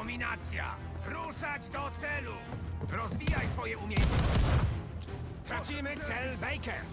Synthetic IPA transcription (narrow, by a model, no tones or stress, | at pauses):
ɔmʲina̰t̪sʲja̰ | ɾuʂad͡ʑd̪ɔt̪sɛlu | ɾɔzvʲijajsfɔjɛumʲjɛɔɕt͡ɕi | t̪ɾat͡ɕimɘt̪ɛlbɛjkɛ